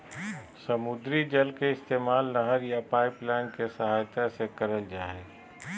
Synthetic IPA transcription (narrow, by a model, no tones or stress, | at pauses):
səmʊd̪ɾid͡ʒɐlkeɪst̪eːmaːlnəɦəɾjapaːɪplɛːnkesəɦaːjt̪asekəɾəld͡ʒaːɦeː